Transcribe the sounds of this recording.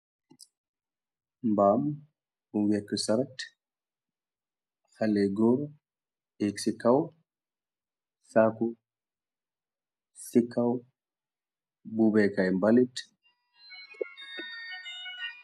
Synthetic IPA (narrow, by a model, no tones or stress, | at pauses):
mbam | buwɛkːsaɾat | halɛɡɔɾ | ɛksikaw | saku | sikʰːaw | bubɛkajmbalit